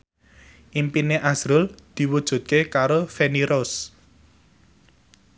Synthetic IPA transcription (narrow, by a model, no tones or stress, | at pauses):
ʔimpineʔasɾʊld̪̥i̤wud̥ʒ̥ṳt̪̚kekaɾofeniɾos